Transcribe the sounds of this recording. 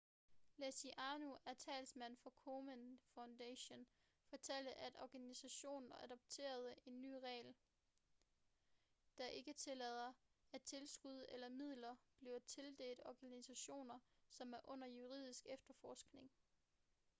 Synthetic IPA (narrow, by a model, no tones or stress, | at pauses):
læsiʔɑ̈ːnuæɐt͡sʰɛ̰ːlsmæn̰fɒ̽kʰomənfäʊnd̥æɕo̝n | fɒ̽t͡sʰel̰d̥əʔæd̥ɒɡ̥ænisæɕo̝̰ːnn̩æd̥ɒ̽b̥̚t͡sʰe̝̰ːɐð̞ˠe̝nːy̰ːʁɛ̰ːl | d̥æʔe̝ɡ̥ət͡sʰe̝lɛð̞ˠɐæt͡sʰe̝lsɡ̥uð̞̰ˠelɐmið̞̰ˠlɐb̥li̝ʊt͡sʰe̝ld̥e̝̰ːld̥ɒɡ̥ænisæɕo̝̰ːnɐsɒ̽mæɐʔɔ̽n̰ɐjuʁið̰ˠisɡ̥efd̥ɐfɒːsɡ̥ne̝ŋ